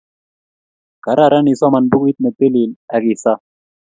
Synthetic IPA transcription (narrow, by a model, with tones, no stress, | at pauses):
ɡ̥ɐ˨ɾa˦˨ɾa˦ni˨sɔ˦mɐ˨nbʊ˦ɡu˦i˦t̪̚ne˨d̪e˦li˨la˨ɡi˨sa˦